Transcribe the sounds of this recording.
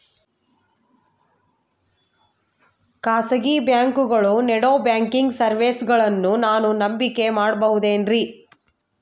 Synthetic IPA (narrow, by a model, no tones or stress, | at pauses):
kaːsɐɡibjaːŋkuɡɐɭunɛɽoːbjaːŋkiŋɡsɐɾʋeːsɡɐɭɐnːunaːnunɐmbikːe̞maːɽbɐɦud̪eːnɾi